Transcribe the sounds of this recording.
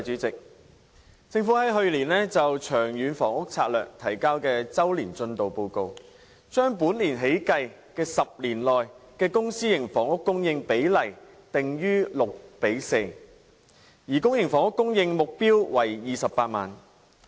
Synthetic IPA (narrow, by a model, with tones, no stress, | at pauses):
t͡ʃyː˨˥t͡sɪ˨k̚ | t͡sɪ˧ŋfu˨˥hɐ˨˥jɦɵ˧ɥliː˨˩nlɛː˥t͡sɐ˨wt͡ʃʰœː˨˩ŋjyː˨˧nfɔː˨˩ŋʊ˥k̚t͡sʰaː˧t̚lœ̰ː˨k̚t̪ʰɐ˨˩jkaː˥wkɛː˧t͡sɐ˥wliː˨˩nt͡sɵ˧nt̪o˨wpo˧wko˧w | t͡ʃœː˥ŋpuː˨˥nliː˨˩nɦe˨˥jkɐ˧j | kɛː˧sɐ˨p̚liː˨˩nlɔː˨jkɛː˧kʊ˥ŋsiː˥jɪ˨˩ŋfɔː˨˩ŋʊ˥kːʊ˥ŋjɪ˧ŋpe˨˥jlɐ˨˩j | t̪ɪ˨ŋjyː˥lʊ˨k̚pe˨˥jse˧j | jiː˨˩kʊ˥ŋjɪ˨˩ŋfɔː˨˩ŋʊ˥kːʊ˥ŋjɪ˧ŋmʊ˨k̚piː˥wwɐ˨˩jjiː˨sɐ˨pːaː˧t̚ma̰ː˨˩n